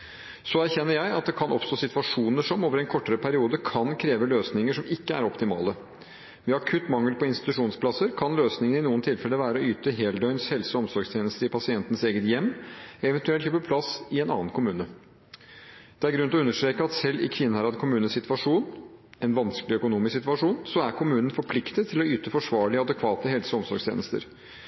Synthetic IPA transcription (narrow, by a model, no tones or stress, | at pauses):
sɔæɾçɛnːəɾjæɪɑt̪̚d̪ɛkʰɑnʔɔpst̪oːsɪt̪ʋɑʂuːnəʂɔmoːʋəɾɛnkʰɔʈːəɾəpʰæɾɪuːd̪əkʰɑnkʰɾeːʋəløːsnɪŋəʂɔmɪkːəæ̰ɾɔpt̪ɪmɑ̰ːlə | mɛɑkʰʉt̪ːmɑŋːəlpʰɔɪnst̪ɪ̥t̪ʉʂuːnspʰlɑsəɾkʰɑnløːsnɪŋənɪnuːənt̪ʰɪlfɛlːəʋæːɾəɔyːt̪əɦeːld̪œʏnshɛlsɔɔmsɔɾɡst̪ʰjeːnəst̪əɾɪpʰɑsɪɛnt̪ən̩seːɡət̪jɛmːɛʋɛnt̪ʉɛlçøpəpʰlɑsɪɛnɑ̰ːn̩kʰʊmʉːnə | d̪̥ɛæɾɡɾʉnt̪ɔʉnːəʂt̪ɾeːkəɑt̪sɛlːɪ̰kʰʋɪnːəhɑɾɑd̪kʰʊmʉːnəsɪt̪ʋɑʂuːnɛnʋɑnskəlɪœkʊnuːmɪsɪt̪ʋɑʂuːnsɔæɾkʰʊmʉːnən̩fɔɾpʰlɪkt̪ət̪ʰːɪlɔyːt̪əfɔʂʋɑːɭɪəɑd̪əkʰʋɑːt̪əɦɛlsəɔmsɔɾɡst̪ʰḛːnəst̪ə̰ɾ